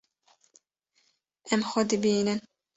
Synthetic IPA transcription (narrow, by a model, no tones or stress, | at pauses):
ɛmxɔd̪ibinɨn